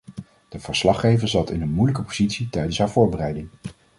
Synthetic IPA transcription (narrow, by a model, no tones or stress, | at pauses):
d̥əv̥əɹslɑχejvəɹzɑtɪnənmujləkəpozitsitɛjdənsɦaːɹvʊːɹbərɛjdɪŋ